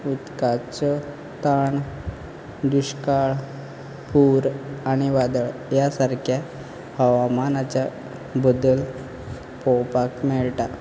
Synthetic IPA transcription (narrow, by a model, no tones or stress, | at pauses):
ut̪kat͡sɔ | t̪aɳ | d̪uɕkaɭ | puɾaɽ̃iʋad̪əɭjasaɾkʰja | həʋamanat͡ɕa | bəd̪əl | pɔwpakmɛɭʈa